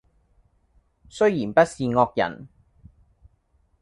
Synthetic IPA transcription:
sɵ˥ɥjiː˨˩npɐ˦˥t̚siː˨ŋɔː˧k̚jɐ̰˨˩n

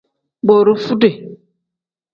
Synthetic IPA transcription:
bo˨ɾo˦fu˦de˨

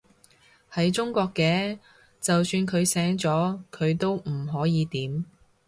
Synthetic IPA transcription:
hɐ˨˥jt͡ʃʊ˥ŋkʷɔː˧kːɛː˧ | t͡sɐ˨wsyː˧nkʰɵ˨˧ɥsɛː˨˥ŋt͡sɔː˨˥kʰɵ˨˧ɥt̪o˥wm̩˨˩ɦɔː˨˥jiː˨˧t̪iː˨˥m

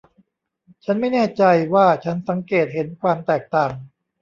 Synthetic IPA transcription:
t͡ɕʰa˦˥nma˥˩jnɛː˥˩t͡ɕa˧jwaː˥˩t͡ɕʰa˦˥nsa˩˦ŋkeː˨˩t̪̚ɦe˩˦nkʰwaː˧mt̪ɛː˨˩k̚t̪aː˨˩ŋ

